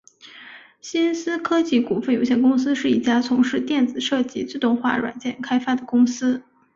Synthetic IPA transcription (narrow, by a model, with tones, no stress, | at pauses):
ɕi˥nsɹ̩˥kʰɤ˥t͡ɕi˥˩ku˨˩fə˥˩njo˧ʊɕjɛ˥˩n˩kʊ˥ŋsɹ̩˥ʂɻ̩˥˩i˥˩t͡ɕja˥t͡sʰʊ˧˥ŋʂɻ̩˥˧t̪jɛ˥˩nd͡zɹ̩˨˩ʂɤ˥˩t͡ɕi˥t͡sɹ̩˥˧t̪ʊ˥˧ŋxwa̰˥˩ɻwa̰˨˩nt͡ɕjɛ˥˩nkʰa˥ɪfa˥d̪ə˨˩kʊ˥ŋsɹ̩˥